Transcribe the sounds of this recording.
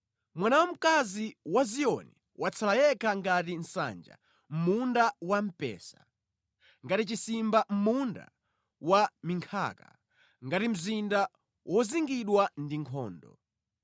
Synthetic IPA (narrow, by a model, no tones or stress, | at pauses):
mwanawam̩kaziwazijɔni | wʔat͡sʰalajɛkʰaŋɡatin̩sa̰nd͡ʒa̰ | m̩mundawam̩pɛ̰ːsa | ŋɡatit͡ʃisimbam̩munda̰ | wamiŋkʰa̰ːka̰ | ŋɡatim̩zinda | wʔɔziŋɡiɗwandiŋkʰɔ̰ːndɔ̰